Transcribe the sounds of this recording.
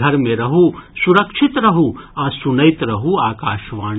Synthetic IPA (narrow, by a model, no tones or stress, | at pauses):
ɐɾmẽɾɐɦusuɾɐkʃʰɪt̪ɾɐɦuasunɐjt̪ɾɐɦuaːkaːʃʋaː